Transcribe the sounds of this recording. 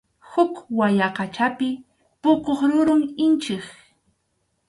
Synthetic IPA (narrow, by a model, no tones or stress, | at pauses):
hʊkwajaqɑt͡ʃapɪ | pʊkoχɾʊɾʊŋɪnt͡ʃɪχ